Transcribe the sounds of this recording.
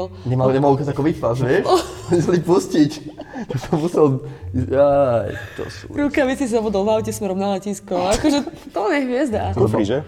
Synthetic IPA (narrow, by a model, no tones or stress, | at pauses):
l | ɲɛmaɲɛmalukazakɔʋipasʋjɛʃɔɲisalipuscict̪ɔsɔmusɛlajt̪ɔ̰sṵɾuʊkaʋɛt͡sis̬zaʋɔd̪ɔlˠʋaʊcɛsmɛɾɔmnalɛciːskɔakɔʒɛ | t̪ɔlɲɛɦʋɪɛzd̪afɾiʒɛ